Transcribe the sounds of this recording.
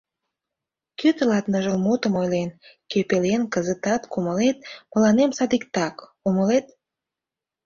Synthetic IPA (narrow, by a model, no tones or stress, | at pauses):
kyt̪əlɑt̪nəʒəlmot̪əmojlenkøpelenkəzət̪ɑt̪kuməlet̪̚mə̆lɑnemsɑd̪ikt̪ɑk | uməlet̪